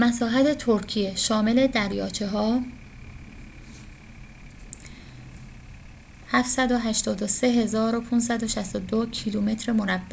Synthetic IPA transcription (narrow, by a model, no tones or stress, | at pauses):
mæsɒːɦæt̪ʰe̞t̪ʰoɾcʰije̞ʃɒːme̞le̞d̪æɾjɒːt͡ʃʰeɦɒː | hæft̪sæd̪o̞ɦæʃt̪ɒːd̪o̞se̞ɦe̞zɒːɾo̞pʰuːns̬æd̪oʃæst̪od̪ocʰilume̞t̪ɾemo̞næbːæ